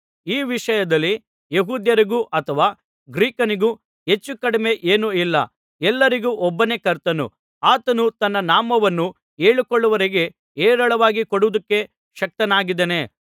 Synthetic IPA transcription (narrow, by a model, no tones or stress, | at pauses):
iːʋiʂɐjɐd̪ɐlːi | jeɦuːd̪jɐɾiɡuʔɐt̪ʰɐʋaː | ɡɾiːkɐniɡu | ɦe̞t͡ʃːukɐɽime̞ʔeːnuilːɐ̰ | ɛlːɐɾiɡuʔɔbːɐne̞kɐɾt̪ɐnṵ | aːt̪ɐnut̪ɐnːɐnaːmɐʋɐnːu | eːɭikoɭːuʋɐɾiɡe̞ | eːɾɐɭɐʋaːɡikoɽuʋud̪ɐkːe̞ | ʃɐk̚t̪ɐnaːɡid̪ene̞